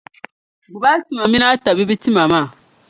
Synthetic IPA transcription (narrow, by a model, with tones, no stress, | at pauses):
ɡu˨ba˦ti˦ma˨mĩ˦na˦ta˨bi˦bi˦ti˦ma˨ma˦˨